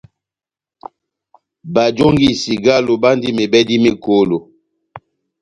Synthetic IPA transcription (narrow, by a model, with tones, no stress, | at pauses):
ba˨d͡ʒo˦ŋɡi˦˨si˨ɡa˦lo˨ba˦ndi˦me˨bɛ˦di˦me˦ko˦lo˨